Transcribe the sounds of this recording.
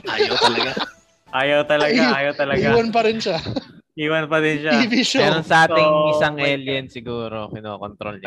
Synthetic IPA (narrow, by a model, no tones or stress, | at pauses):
ʔaːjɐt̪ɐlɐɡa | ʔaːjɐwt̪ɐlɐɡaːjɐwt̪ɐlɐɡaiːwɐnp̬ɐɾɪnʃaʔiːwɐnpɐɾɪnʃaibiʃɾoŋsɐʔaːt̪ɪŋɪsaŋʔɛljɛnsɪɡuːɾo̞kɪnoːkont̪ɾo̰lɲ